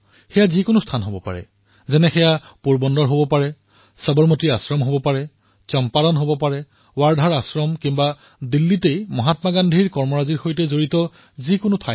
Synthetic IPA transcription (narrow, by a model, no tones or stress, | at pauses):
xɛjazikʊnʊstʰanɦobɔpa̰ɹɛ̰ | zɛnɛxɛjapuɹbɔndɔɹɦobɔpaɹɛ | sabɔɹmɔtiasɹɔmɦobɔpaɹɛ | t͡ʃɔmpalɔnɦobɔpaɹɛ | waɹdʱaɹasɹɔmkimba | d̪ilːitejmɔɦatmaɡandʱiɹkɔɹmɔɹaziɹxojtɛzoɹitɔ | zikʊnʊtʰa